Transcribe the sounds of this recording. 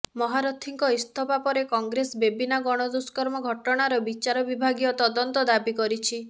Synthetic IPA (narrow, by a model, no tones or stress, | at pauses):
mɔɦaɾɔt̪ʰiŋkɔist̪ʰɔpapɔɾekɔŋɡɾesbebinaɡɔɽ̃ɔd̪uskɔɾmɔɡʱɔʈɔɽ̃aɾɔbit͡ʃaɾɔbibʱaɡijɔt̪ɔd̪ɔnt̪ɔd̪abikɔɾit͡ʃʰi